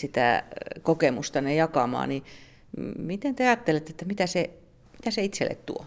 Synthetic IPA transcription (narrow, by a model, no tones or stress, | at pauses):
sit̪æ̰ˑkokemust̪ɑnejɑkɑmɑ̰ːni | mit̪ent̪yæjɑːt̪ːelet̪ːet̪ːæmit̪æse | mmit̪æseit̪sḛlːḛt̪t̪ṵo